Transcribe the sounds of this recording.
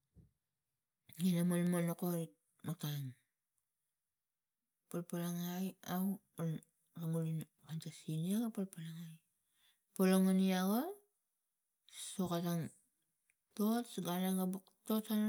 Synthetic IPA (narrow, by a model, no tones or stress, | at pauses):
inamonmonokoɾit̚ | makan | palpalaŋajaw | on | ɾaŋulin | kantasiniaɡapolpalaŋaj | poloŋaniaɡo | sokataŋ | tosɡanaŋɡabuktotan